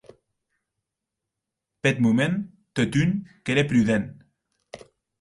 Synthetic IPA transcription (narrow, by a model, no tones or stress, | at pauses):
pet̪mumen | t̪ot̪ynkeɾepɾyðen